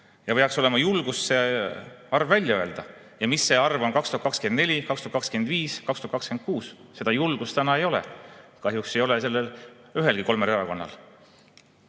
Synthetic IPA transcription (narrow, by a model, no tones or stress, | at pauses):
jɑpe̞ɑkso̞le̞mɑjulɡ̥usse̞ | ɑrvːælʲjɑø̞e̞ld̪̥ɑ | jɑmisːe̞ɑrvo̞nkɑkst̪uɑt̪kɑkskend̪ne̞lʲikɑkst̪uht̪kɑkskend̪viːskɑkst̪uɑt̪kɑkskenkuːsse̞d̪̥ɑjulɡ̥ust̪ænɑe̞jo̞lɛ̰kɑɦjukse̞jo̞lese̞lːelyɦe̞lɡ̥iko̞lmeɾeɾɑko̞nːɑ̰l